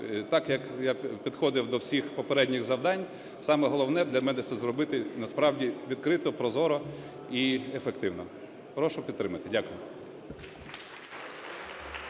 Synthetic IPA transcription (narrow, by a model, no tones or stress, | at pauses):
t̪ɑkjɐkjapʲid̪xɔd̪ɪwd̪ɔwsʲixpɔpeɾɛdʲnʲiɣzɐwd̪ɑnʲ | sɑmɛɦɔlˠɔwnɛd̪lʲɐmɛnɛt̪sɛzɾɔbɪt̪ɪnɐspɾɑwdʲiʋʲid̪kɾɪt̪ɔpɾɔzɔɾɔ | iefekt̪ɪwnɔ | pɾɔʃʊpʲid̪t̪ːɾɪmɐt̪ɪdʲakʊjʊ